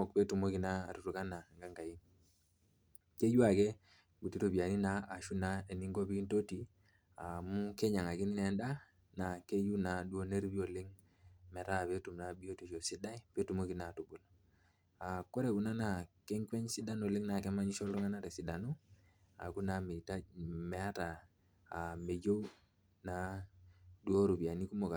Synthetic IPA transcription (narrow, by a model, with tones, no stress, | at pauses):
ɔ˨k̚pɛ˦tu˨mo˦ki˨na̰ː˦˨tu˨ɾu˨ka˦na˨ŋɡa˦ŋɡa˨ji˦ | ke˦ju˦a˨kɛ˦ | ɡu˨ti˦to˨bi˨a˨ni˦na˦a˨ʃu˦na˦e˨ni˦ŋɡo˦bi˦nto˦ti˨ | a̰˨mu˦kɛ˦ɲa˨ŋa˨ki˦ni˦nɛ˨˦nda˦ | na˨ke˦ju˦na˨du˦o˦ne˦ɾbi˦o˨le˦ŋ | mɛ˨ɾa˦˨pe˦tu˨mna˨bi˦o˦te˨ʃo˨si˦da˦i˦pe˦tu˨mo˦ki˦na˨tu˨bu˨lo˨ | a˨kɔ˦ɾɛ˨ku˨na˦na˨kɛ˦ŋkwɛ˦ɲsi˦da˦no˨li˦ŋna˨kɛ˦ma˦ɲi˦ʃɔ˦lɾɔ˦ŋa˦na˦ɾɛ˨si˨da˨nu˦ | a̰˨ku˦na˨mi˨ta˦mɛ˨a˦taː˨ | me˨jo˦w | na˨ | dwo˦ɾu˨bi˨a˨ni˦ku˦mo˨ka˨